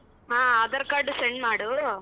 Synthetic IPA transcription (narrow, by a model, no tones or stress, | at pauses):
ãːɐðɐɾkaːɖɯsɛɳɖmaːɽɯ